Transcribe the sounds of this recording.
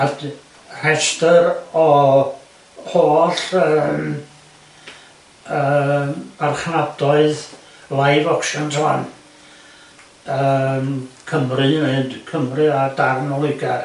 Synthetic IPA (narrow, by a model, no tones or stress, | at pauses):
ad | r̥ɛstəɾɔ | hoːɬəːm | əːarχnadɔɨð | lˠajvɔkʃɔna̰n | əmkʰəmrɨmɨndkʰəmrɨadarnɔlˠɨɡar